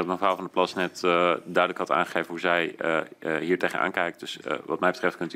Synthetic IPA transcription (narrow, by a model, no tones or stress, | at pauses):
tməfraːlˠvɑndəplɑsnɛtdœɥdələkhɑta̰ːnχəχejvənɦuzɛj | ɦiːɹtejɣənʔa̰ːnkɛjkdɵsʋɑ̰tmɛjbətrɛft̚kɵnt